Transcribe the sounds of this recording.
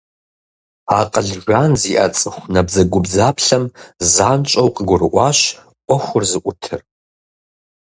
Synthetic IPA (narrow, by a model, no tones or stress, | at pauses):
aqʼəɮʒᶣʷanziʔɐt͡sʼɨχʷnɐbzɐɡʷʊbzaːpʰɬɐmzaːnt͡ʃʼɐwqʼəɡʷʊrɨʔʷɑːʃ | ʔʷɔχʷʊrzɨʔʷʊtʰɨ̰r